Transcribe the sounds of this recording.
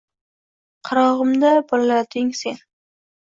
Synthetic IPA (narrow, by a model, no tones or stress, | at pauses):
qʰɑɾɒʁɨmd̪abɒllad̪ɪŋse̞n